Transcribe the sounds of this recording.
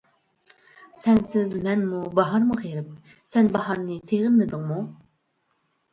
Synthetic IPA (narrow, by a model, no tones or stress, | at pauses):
sɛnsɪzmɛnmubɑɦɑɾmɨχeɾɪp̚ | sɛnbɑɦɑɾnɨseʁɪnmed̪ɪŋmu